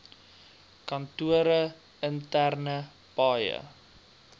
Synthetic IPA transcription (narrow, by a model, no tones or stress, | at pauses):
kɐntuəɾə | əntærnə | pɑːjə̰